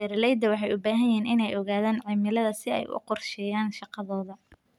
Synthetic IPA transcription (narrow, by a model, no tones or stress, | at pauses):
ɛɾɐlɛjd̪ɐwɑħɑjʊbaːɦɐjɪiːnɪnɛjɔɣaːðaːnʕimɪlɐðɐsɪɛ̰jʔʊ̰qɔrʃɛːjaːnʃɑqɑðɔːðɐ